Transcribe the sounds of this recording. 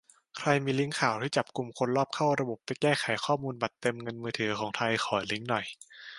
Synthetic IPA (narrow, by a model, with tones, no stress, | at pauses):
kʰɾa˧jmiː˧li˦˥ŋkʰaː˨˩wt̪ʰiː˥˩t͡ɕa˨˩p̚ku˧mkʰo˧nlɔː˥˩p̚kʰa˥˩wɾa˧bo˨˩p̚ta˨˩˦kɛː˥˩xʰa˨˩˦jkʰɔː˥˩muː˧nba˨˩t̪ːe˧mŋɤ˧nmɯː˧t̪ʰɯː˩˦kʰɔː˩˦ŋt̪ʰa˧jxʰɔː˨˩˦jli˦˥ŋnɔ˨˩j